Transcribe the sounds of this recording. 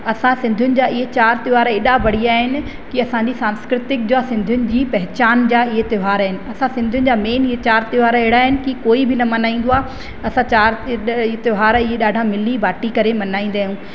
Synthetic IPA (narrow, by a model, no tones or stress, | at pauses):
ɐsãsɪ̃nd̪ʱʊnɪ̆d͡ʑaːɪɦet͡ɕaːɾt̪ɪʋaːɾeːɗabɐɽ̤iaːɦɪnɪ̆ | kiɐsãɲd͡ʑisãːnskɾɪt̪ɪk̚d͡ʑoasɪ̃nd̪ʱʊnɪ̆d͡ʑiːpɐɦɪt͡ɕaːnd͡ʑaːɪɦet̪ɪɦaːɾaːɦɪnɪ̆ɐsãsɪ̃nd̪ʱʊnɪ̆d͡ʑaːmeːnɪɦet͡ɕaːɾt̪ɪʋaːɾɦeːɽaːɦɪnɪ̆kikoːibʱɪnɐmɐnaːĩːn̆d̪oaːɦ | ɐsãt͡ɕaːɾet̪ɪɦaːɾɪɦeɗaːɖʱãmɪlibaːʈikɐɾemɐnaːĩːnd̪aːɦjũː